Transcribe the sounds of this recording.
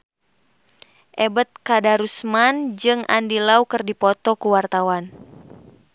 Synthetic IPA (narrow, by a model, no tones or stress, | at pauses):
ʔɛbət̪̚kadaɾusmand͡ʒɨŋʔa̰ndilaukɨrdipɔt̪ɔkuwart̪awan